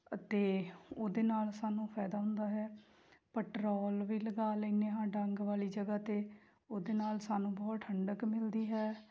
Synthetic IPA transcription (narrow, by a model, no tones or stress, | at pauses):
ət̪eːoːd̪eːnaːlsaːnũːpʰɛːd̪aːɦʊ̃nd̪aːɦɛː | pəʈɾɔːlʋiːləɡaːləiːneːɦãːɖəŋɡʋaːliːd͡ʒəɡaːt̪eː | oːd̪eːnaːlsaːnũːbɔːt̪ʰəɳɖəkmɪld̪iːɦɛː